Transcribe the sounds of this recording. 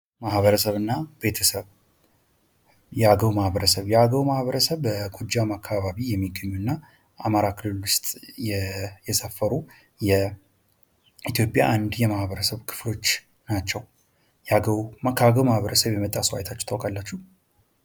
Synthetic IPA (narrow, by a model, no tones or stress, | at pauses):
mahβəɾəsəβɨnːabe̞t̪ʰəsəβ | jɛaɡəwmahbəɾəsəβjɛaɡəwmahβəɾəsəβəɡʰʼud͡ʒːamakʰːaβaβijɛmːiɡːəɲːuɨnːa | ʔamaɾakʰɨlɨlʊst̪ʼjɛjɛsəfːəɾu | jɛ | it̪ʰjo̞pʼja̰ʔand̪jɛmahβəɾəsəβkʰɨ̥flo̞t͡ʃː | nat͡ʃːɛw | jɛaɡəwmakʰːaɡəwmahβəɾəsəβjɛmət̪ʼasuwa̰jt̪ʰat͡ʃːɛ̥t̪ʰawkʼalːat͡ʃːuh